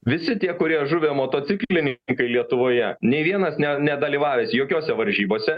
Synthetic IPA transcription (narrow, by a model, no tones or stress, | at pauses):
ʋʲɪsʲɪt̪ʲiɛkʊɾʲiɛʒʊʋʲeːmoːt̪oːt̪sʲɪkllʲɪnʲŋkɐɪlʲiɛt̪ʊʋoːjɛnʲɛɪʋʲiɛnɐsnʲɛnʲɛd̪ɐlʲiːʋɑːʋʲeːsʲjoːkʲoːsʲɛʋɐɾʲʒʲiːboːsʲɛ